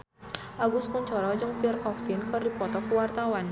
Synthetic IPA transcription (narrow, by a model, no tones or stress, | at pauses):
ʔaɡuskuɲt͡ʃɔɾɔd͡ʒɨŋpirkɔfinkɨrdipɔt̪ɔkuwart̪awan